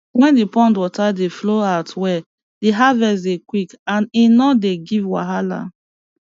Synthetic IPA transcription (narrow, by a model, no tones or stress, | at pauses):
wɛ̃ndipɔ̃ndwɔtadefloatwɛ | diɦavɛs̬dekwikãninɔdeɡivwa̰ɦala̰